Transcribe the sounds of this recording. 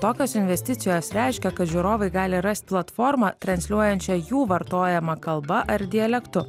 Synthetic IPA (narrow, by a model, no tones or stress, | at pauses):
t̪oːkʲoːsɪnʲʋʲɛsʲt̪ʲɪt̪sʲɪjoːsɾʲæˑɪʃʲkʲɛkɐt̪ʒʲuːɾoːʋɐɪɡɑːlʲɪɾɐst̪̚ʲplˠɐt̪foːɾmɑt̪ɾɐnʲsʲlʲuɔjɛnʲt͡ʃʲɛjuːʋɐɾt̪oːjɛmɐkɐlˠbɐʔɐɾd̪ʲɪɛlʲɛkt̪ʊ